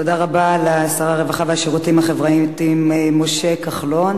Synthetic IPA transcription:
to̞daʁabalasaʁaʁevaχaveaʃeʁutimhaχevʁait̪imemo̞ʃekaχlo̞n

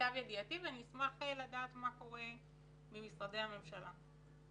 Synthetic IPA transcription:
avjed̪iat̪ivaniismaχelad̪aːt̪mako̞ʁe̞ | mimisʁad̪e̞hame̞mʃala

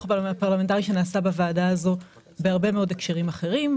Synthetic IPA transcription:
papaʁlamentaʁiʃe̞naːsabavaːdaazo̞ | beaʁbe̞meo̞de̞kʃeʁimaχe̞ʁim

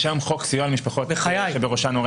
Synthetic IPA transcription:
ʃamχoksijoalmiʃpaχoteχajajʃebeʁoʃanoʁe

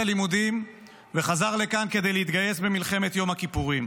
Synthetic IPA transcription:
alimud̪im | ve̞χazaʁle̞kanke̞d̪e̞jleit̪ɡaje̞sbe̞milχe̞me̞t̪jo̞mhakipuʁim

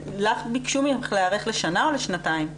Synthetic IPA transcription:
laχbikʃumjamχleaʁe̞χle̞ʃanaoleʃnataim

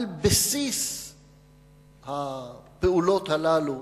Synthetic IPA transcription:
lbesis | hapeulo̞t̪halalu

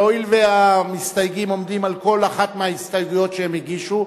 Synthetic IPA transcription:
oilveamist̪ajɡimo̞md̪imalko̞laχat̪meaist̪ajɡujo̞tʃehemiɡiʃu

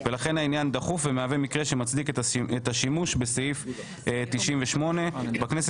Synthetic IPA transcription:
velaχe̞nainjand̪aχufvemeave̞mikʁe̞ʃemat͡sd̪iketaet̪aʃimuʃbe̞seif | t̪iʃimveʃmo̞ne̞baknes

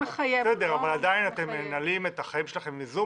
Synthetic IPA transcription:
ajsed̪eaavaladainat̪e̞menalime̞t̪aχajimʃelaχe̞mizu

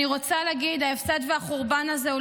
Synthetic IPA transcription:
iʁot͡saleaɡid̪aefsad̪veaχoʁbanazeu

